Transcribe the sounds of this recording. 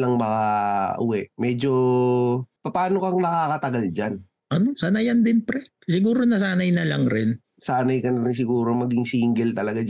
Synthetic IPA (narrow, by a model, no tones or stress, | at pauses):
lɐŋmɐkaʔʊ̰wɛʔmɛːd͡ʒo | pɐpaːnokɐŋnɐkaːkɐt̪ɐɡald͡ʒan | ʔɐno̞sanɐjand̪ɪnpɾɛ | sɪɡuːɾonɐsaːnɐjnɐlaŋɾɪn | saːnɐjkɐnɐɾɪŋs̬ɪɡuːɾomɐɡɪŋsiːŋɡɛlt̪ɐlɐɡa